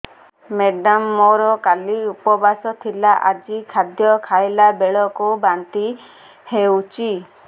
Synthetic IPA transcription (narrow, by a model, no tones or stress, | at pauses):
meɖamːɔɾɔkaliupɔbasɔt̪ʰilaʔad͡ʒikʰad̪jɔkʰajlabeɭɔkubant̪i | hewt͡ʃi